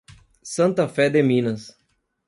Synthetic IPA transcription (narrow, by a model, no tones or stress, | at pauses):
sɐ̃nt̪ɐfɛd̪emĩnɐs